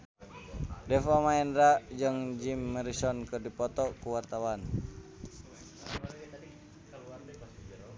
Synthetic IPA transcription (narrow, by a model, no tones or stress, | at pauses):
dɛfamaɛnɾad͡ʒɨŋd͡ʒimːəɾisɔnkɨrdipɔt̪ɔkuwart̪awan